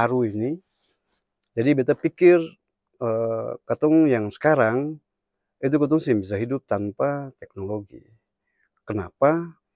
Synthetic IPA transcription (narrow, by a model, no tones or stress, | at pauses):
aɾuini | d͡ʒadibet̪apikɪr | əkat̪ɔŋjaŋsə̥kaɾaŋ | it̪̬ukɔt̪̬ɔŋsiŋbis̬aɦidʊp̚t̪anpat̪ɛk̚noloɡḭ | kəna̰pa